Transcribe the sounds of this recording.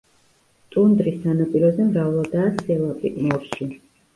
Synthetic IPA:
t̪ʼund̪ɾisanɔpʼiɾɔzɛmɾavlˠɔd̪aːsɛlapʼḭmɔɾʃi

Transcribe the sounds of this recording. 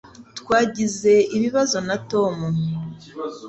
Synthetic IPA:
tkwaːɟize̞iβiβazo̞nato̞mu

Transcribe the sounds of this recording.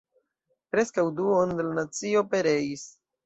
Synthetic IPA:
pɾe̞skawduonde̞lanat͡sio̞pe̞ɾe̞is

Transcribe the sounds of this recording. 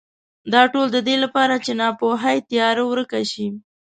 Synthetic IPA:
d̪ɑʈold̪əd̪elapɑɾat͡ʃenɑpoɦajt̪ijɑɾawɾəkaʃi

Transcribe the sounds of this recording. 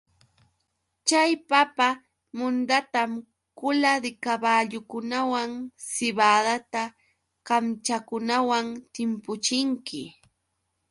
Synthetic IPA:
t͡ʃajpapa | mʊnd̪at̪am | kʊlad̪ɪkabaːʎʊkʊnawaŋsɪβaːd̪at̪a | kamt͡ʃakʊnawaŋt̪ɪmpʊt͡ʃɪŋkɪ

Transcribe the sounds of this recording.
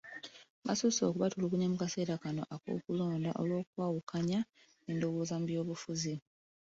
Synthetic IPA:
βa̰suso̞̰ːkuβatulukuɲemukase̞ːɾakano̞ʔako̰ːkulo̞ːndaʔo̞lwo̞ːkwaːwukʰaɲa | endo̞woːzambijo̞ːβufuzi

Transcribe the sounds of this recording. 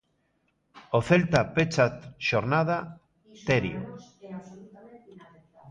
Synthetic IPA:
oθelt̪apet͡ʃat̪ʃoɾnað̞a | t̪eɾḭ

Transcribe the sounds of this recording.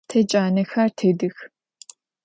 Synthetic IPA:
tʰɐt͡ʃʼaːnɐxɐrtʰɨdɨx

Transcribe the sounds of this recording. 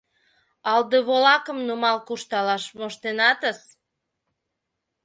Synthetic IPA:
ɑld̪əβolɑkəmnumɑlkuʃt̪ɑlɑʃmoʃt̪enɑt̪əs

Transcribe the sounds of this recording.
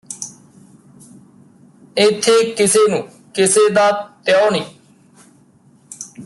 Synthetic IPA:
ɪt̪ʰːeːkɪseːnũː | kɪseːd̪aːt̪jɔːniː

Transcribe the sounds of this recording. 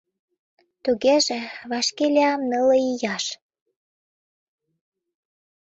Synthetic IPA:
t̪uɣeʒĕβɑʃkelʲeɑmnələijɑʃ

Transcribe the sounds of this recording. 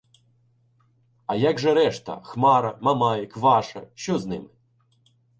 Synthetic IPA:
ɐjaɡʒɛɾɛʃt̪ɐ̰xmɑɾɐmɐmɑjɪkʋɑʃɐ̰ʃt͡ʃɔznɪ̰mɪ

